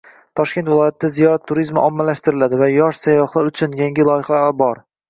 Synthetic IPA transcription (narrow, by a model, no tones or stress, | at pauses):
t̪ʰɒʃkʲe̞nt̪vɪlˠɒjat̪̚ʰɪd̪azijɒt̪ʰːʊɾizmaʔɒmːalaʃt̪ɪɾɪlad̪ɪvajɒʃsajːɒχlˠaɾʊt͡ʃʰʊnjaŋʲɪlˠɒjɪχabɒɾ